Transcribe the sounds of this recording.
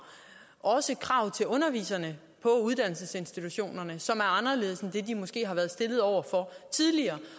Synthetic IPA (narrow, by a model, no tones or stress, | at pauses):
ʔɒ̽səkʰʁɑ̈ʊ̰t͡sʰe̝lɔ̽nɐʋḭːsɐnə | pʰɒ̽uð̞ˠd̥æn̰l̩səse̝nsd̥it͡sʰuɕo̝̰ːnɐnəsɒ̽mæɐɑ̈nɐle̝ːðˠsn̩d̥e̝d̥imɒ̽sɡ̥e̝̰ːhɑ̈ʋæːɐðˠsd̥e̝lð̞̩ˠɒʊ̰ɐfɒ̽t͡sʰið̞ˠliɐː